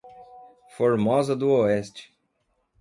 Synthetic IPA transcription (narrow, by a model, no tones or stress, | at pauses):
foɾmɔzɐd̪ʊoɛst͡ʃɪ̥